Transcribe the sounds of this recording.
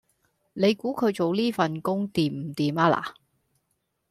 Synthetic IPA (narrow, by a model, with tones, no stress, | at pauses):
ne˨˧jkuː˨˥kʰɵ˨˧ɥt͡so˨wliː˥fɐ˨nkʊ˥ŋt̪iː˨m̚m̩˨˩t̪iː˨maː˧la̰ː˨